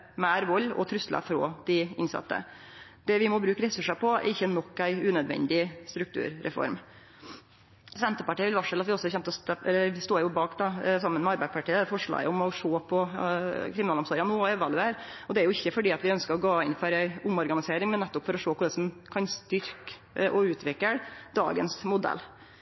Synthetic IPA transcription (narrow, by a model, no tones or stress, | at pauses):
mæːɾʋɔlːɔ̰t̪ʰɾʉst̪lɑ̰fɾo̰ːd̪̥ɪɪnsɑ̰t̪ːə̰ | d̪̥ɛʋɪmɔbɾʉːkəɾɛsʉʂəpʰɔæ̰ɾɪçːənɔkːæɪʉːnœd̪ʋɛ̰nd̪ɪst̪ɾʉkt̪ʰʉ̰ːɾɾɛ̰fɔ̰ɾm | sɛnt̪əpɑʈiːəʋɪlʋɑʂɛlɑt̪ʋɪɔsːɔçɛmt̪əɔst̪ɛlːəʋɪst̪oːjʊbɑːkd̪ɑsɑmːənmɛɑɾbæɪd̪spɑʈiːəfɔʂɭɑ̰ːɡəʊmɔʂoːpʰɔkʰɾɪmnɑːlɔmsoːɾɪɑnuɛʋɑlʉeɾɔd̪ɛæɾjʊɪçːəfɔɖiːɑt̪ʋɪœnskəɾɔɡoːɪnfɔɾæɪʊmɔɾɡɑnɪseːɾɪŋmɛnːɛt̪ːʊpfɔɾɔʂoːpʰɔd̪ɛsɔmkʰɑnst̪ʏɾk | ʔɔʉːt̪ʰʋɪkːəd̪̥ɑ̰ːɡənsmʊd̪ɛ̰lː